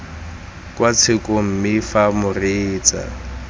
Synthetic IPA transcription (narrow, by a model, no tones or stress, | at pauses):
kʼwat͡sʰɪkom̩mɪfamʊreːt͡sa̰